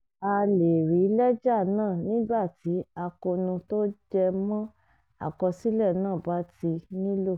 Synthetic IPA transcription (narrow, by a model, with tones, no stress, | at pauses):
a˧le˨ɾi˨˦lɛ˦d͡ʒa˦˨nãː˦˨nĩ˦ba˦˨ti˨˦a˧ko˧nũ˧to˦d͡ʒɛ˧mɔ̃˦ | a̰˦˨kɔ˧si˦lɛ˦˨nãː˦˨ba˨˦ti˧nĩ˦lo˦˨